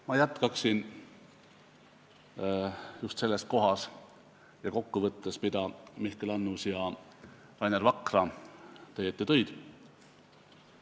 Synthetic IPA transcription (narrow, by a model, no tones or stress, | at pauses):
mɑjæt̪ˑkɑksin | just̪se̞lːe̞st̪̚ko̞ɦɑs | jɑko̞kːuvɤt̪ːespid̪̥ɑmihkelɑnːusjɑ | ɾɑjneɾvɑkrɑt̪ɤjet̪ːet̪ø̞jd̪̥